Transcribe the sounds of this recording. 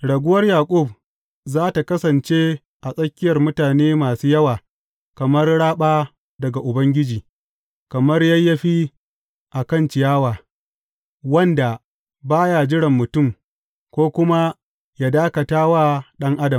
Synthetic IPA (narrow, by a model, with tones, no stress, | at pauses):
ɽɐ˨ɡʷʊ˦wɐ˦rjaː˨kʷʼʊ˦˨b | zaː˦ta˨kɐ˦sɐ˨nt͡ʃe˦ | ʔa˨sʼɐ˦kʲːɪ˦jɐ˨rmʊ˦taː˨neː˦maː˨suː˦jɐ˦waː˨ | kɐ˨mɐ˦rɽaː˦ɓaː˦ | dɐ˨ɡa˨ʔʊ˨bɐ˦ŋɡʲɪ˦d͡ʒiː˨ | kɐ˨mɐ˦rjɐ˦jːɐ˦ɸi˦ | ʔa˨kɐ˦˨nt͡ʃɪ˨jaː˦waː˨ | wɐ˦nda˨ | baː˦ja˨d͡ʒɪ˦ɽɪ˨mːʊ˨tʊ˦˨m | kʷoː˦kʷʊ˦ma˦ | ja˦daː˦kɐ˨taː˦waː˦ɗɐ˦ŋʔa˦dɐ˨m